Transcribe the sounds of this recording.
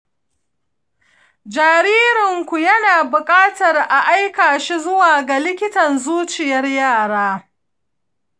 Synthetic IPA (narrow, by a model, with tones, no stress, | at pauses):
d͡ʒaː˨ɾiː˦ɾɪ˨ŋkʷu˨jɐ˦naː˨bʊ˨kʼaː˦tɐ˨rʔa˨ʔa˦jkaː˨ʃi˦zʊ˦waː˨ɡa˨lɪ˦kʲɪ˦tɐ˨nzuː˦t͡ʃɪ˨jɐ˦rjaː˦˨ɽaː˦